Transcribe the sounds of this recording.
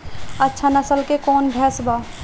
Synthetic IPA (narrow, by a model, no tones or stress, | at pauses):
ətːʃʰanɐsəlkekɔːnbʱɛːsbaː